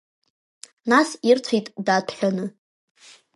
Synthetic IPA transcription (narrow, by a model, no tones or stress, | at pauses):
nasirtʷʰijtʼdatʰħᶣanɨ